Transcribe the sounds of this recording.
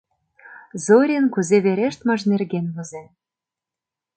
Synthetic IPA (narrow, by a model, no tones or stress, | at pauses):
zoɾʲenkuzeβeɾeʃt̪mɤ̆ʒnerɣenβɤ̆ze